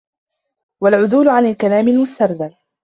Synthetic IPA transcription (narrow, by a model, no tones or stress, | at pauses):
walʕʊðuːlʊʕanalkalaːmɪlmʊst̪ɑɾˤd̪al